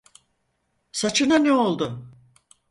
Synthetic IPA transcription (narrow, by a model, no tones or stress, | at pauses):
sat͡ʃʰɯnanɛo̞lˠd̪ʊ